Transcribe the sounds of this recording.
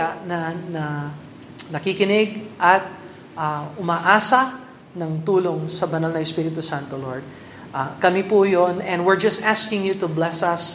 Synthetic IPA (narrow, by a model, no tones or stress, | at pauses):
anɐnɐ | nɐkikɪnɪɡ̚ʔɐt̪̚ | ʔaʔʊmaːʔaːsɐ | nɐŋt̪uːloŋsɐbɐnalnɐɪspiɾɪt̪ʊsãnt̪oloɹd̪̚ | ʔakɐmipujonɛ̃nd̪wɪɹd͡ʒɐst̪ʔaskɪŋjut̪ʊblɛsɐs